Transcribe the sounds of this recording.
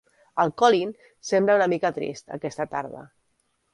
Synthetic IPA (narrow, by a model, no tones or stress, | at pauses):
əlˠkɔlin | sembləunəmikət̪ɾḭst̪ə̰kɛst̪ət̪a̰ɾðə̰